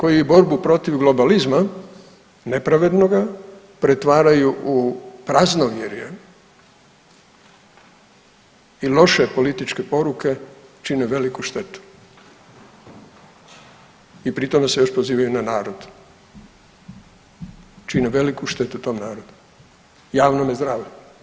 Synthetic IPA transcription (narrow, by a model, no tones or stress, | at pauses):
ko̞jiebo̞ɾbupɾo̞t̪iʋɡlo̞balizma | ne̞pɾaʋe̞d̪no̞ɡa | pɾet̪ʋaːɾajuʔupɾaznoʋjeɾjḛ | ilˠo̞ʃe̞po̞lit̪it͡ʃkepo̞ɾuke̞t͡ʃineʋe̞likuʃt̪e̞t̪u̥ | ipɾit̪o̞mesejo̞ʃpo̞ziːʋajunanaːɾo̞d̪ | t͡ʃineʋe̞likuʃt̪e̞t̪ut̪o̞ːmnaːɾo̞d̪u̥ | jaːʋnomezd̪ɾaːʋe